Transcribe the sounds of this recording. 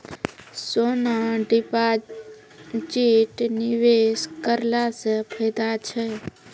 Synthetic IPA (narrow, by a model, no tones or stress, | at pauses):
sonaɖipa | d͡ʒiʈniʋeskəɾlasəpʰəd̪at͡ʃʰɛ